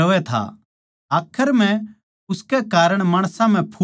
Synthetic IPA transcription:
ɐʋɛt̪ʰa̰ | aːkʰəɾm̤ɛ̃ | ʊskɛkaːɾəɽ̃maːɽ̃sãm̤ɛ̃pʰu

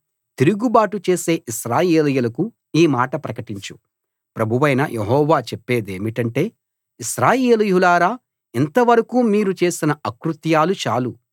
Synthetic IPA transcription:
t̪iɾuɡubaːʈut͡ʃe̞ːse̞ːʔiʃɾaːjeːlɐjulɐku | iːmaːʈɐpɾɐkɐʈiɲt͡ʃu̥ | pɾɐbʱuʋɐjnɐ̰jʔeɦɔːʋaːt͡ʃɛpːe̞ːd̪eːmiʈɐɳʈe̞ː | iʃɾaːjeːlujulaːɾaː | int̪ɐʋɐɾɐkuːmiːɾut͡ʃeːsinɐɐkɾut̪jaːlut͡ʃa̰ːlu

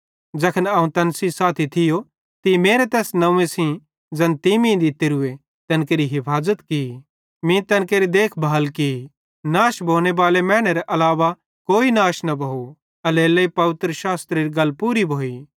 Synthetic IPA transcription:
d͡ʒɐkʰənɐːũt̪ɐnsisaːt̪ʰit̪ʰɪjo | t̪imeːɾet̪ɛːsnɐũːẽsĩ | d͡zɐnt̪imĩd̪it̪ɪɾʊe | t̪ɐnkeːɾiɦɪpʰaːzət̪ki | mĩt̪ɐ̃nkeːɾid̪eːkʰbʱaːlki | naːʃbʱoːɽ̃eʋaːlemɛ̃ːɽ̃eɾɛʔɐlaːʋa | koːinaːʃnɐbʱoːu | ɐlelːɐipɐʋɪt̪ɾəʃaːst̪ɾeɾiɡɐlpuːɾibʱoːiː

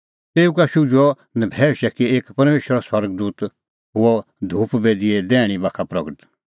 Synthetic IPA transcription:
t̪eːũkaʃʊd͡ʒɔ | nɐbʱɛːʃɛkieːkpɐɾmeːʃəɾaswɐɾɡd̪uːt̪ | ɦʊɔ | d̪ʱuːpbeːd̪iɛd̪ɛːɽ̃ibaːkʰapɾɐɡəʈ̪

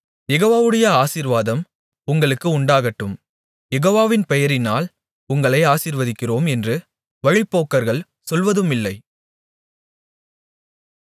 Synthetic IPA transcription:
jɛɣoːʋaːʋɯɽɐjɐaːsiːɾʋaːðɐm | ʊŋɡɐɭɯkːɯʊɳɖaːɣɐʈːɯm | jɛɣoːʋaːʋɪnpɛjɐɾɪnaːl | ʊŋɡɐɭɐɪaːsiːɾʋɐðɪkːɪroːmɛndrɯ | ʋɐɻɪpːoːkːɐɾɣɐɭ | sɔlʋɐðɯmɪlːɐɪ

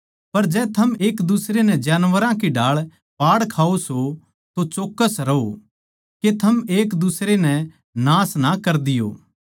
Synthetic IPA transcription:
pɐɾd͡ʒɛːt̪ʰɐmeːkd̪ʊsɾenɛ̃d͡ʒaːnʋəɾãkiɖaːɭ | paːɽkʰaːoso | t̪ot͡ʃoːkːəsɾɐo | ket̪ʰɐmeːkd̪ʊsɾenɛ | nãːsnɐkɐɾd̪ɪjo̰ː

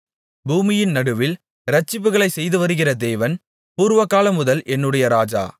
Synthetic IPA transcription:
buːmɪjɪnnɐɽɯʋɪl | ɾɐt͡ʃːɪp̬ːɯɣɐɭɐɪsɛjðɯʋɐɾɯɣɪrɐd̪eːʋɐn | puːɾɯʋɐkːaːlɐmʊðɐlʔɛnːɯɽɐjɐɾaːd͡ʒa̰ː

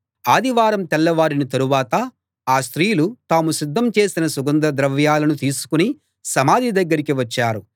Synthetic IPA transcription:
aːd̪iʋaːɾɐmt̪ɛlːɐʋaːɾinit̪ɐɾuʋaːt̪ɐ | aːst̪ɾiːjlut̪aːmusid̪ːɐmt͡ʃe̞ːsinɐsuɡɐnd̪ɾɐd̪ɾɐʋjaːlɐnut̪iːsu̥kuni | sɐmaːd̪ʱid̪ɐɡːɐɾikiʋɐt͡ʃːaːɾu

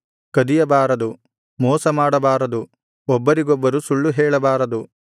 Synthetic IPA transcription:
kɐd̪ijɐbaːɾɐd̪u | mɔːsɐmaːɽɐbaːɾɐd̪u | ɔbːɐɾiɡɔbːɐɾusuɭːuɦɛːɭɐbaːɾɐd̪u

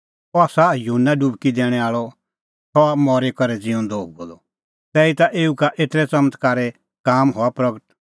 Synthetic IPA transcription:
ɔaːsajɦunːaɖubkid̪ɛːɽ̃ɛaːɭɔ | t̪ɔamɔːɾekɔɾɛd͡zɪɔ̃d̪oːb̚ɡoːlɔ | t̪ɛːit̪aʔeːukaʔeːt̪ɾɛt͡sɐmət̪kaːɾɛ | kaːmɦɔapɾɐɡəʈ

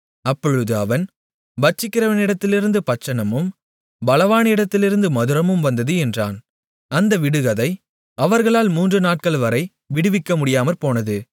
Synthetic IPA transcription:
ɐpːɔɻɯðɯɐʋɐn | bɐt͡ʃːɪkːɪrɐʋɐnɪɽɐt̪ːɪlɪɾɯnd̪ɯpɐt͡ʃːɐɳɐmɯm | bɐlɐʋaːnɪɽɐt̪ːɪlɪɾɯnd̪ɯmɐðɯɾɐmɯmʋɐnd̪ɐðɯɛndra̰ːn | ɐnd̪ɐʋɪɽɯɣɐðɐɪ | ɐʋɐɾɣɐɭaːlmuːndrɯnaːʈ̚kɐɭʋɐɾɐɪ | ʋɪɽɯʋɪkːɐmʊɽɪjaːmɐɾpoːnɐðɯ

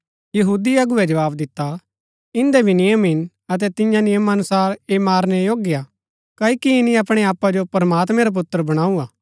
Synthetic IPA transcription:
jɐɦuːd̪iɐɡʊɛd͡ʒɐʋaːbd̪ɪt̪ːa | ɪ̃nd̪ɛbʱinɪjəmɦɪn | ɐt̪̬ɛt̪ɪjãnɪjəmɐnʊsaːɾemaːɾnɛjoːɡɪja | kɐikiɪnĩɐpɽ̃ɛaːpːad͡ʒopɐɾmaːt̪mɛ̃ɾap̬ʊt̪ːəɾbɐɽ̃aːuaː

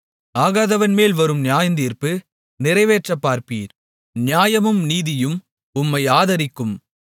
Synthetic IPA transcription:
aːɣaːðɐʋɐnmeːlʋɐɾɯmnɪjaːjɐnd̪iːɾpɯ | nɪɾɐɪʋeːʈrɐpːaːɾpḭːɾ | njaːjɐmɯmniːðɪjɯm | ʊmːɐɪaːðɐɾɪkːɯm

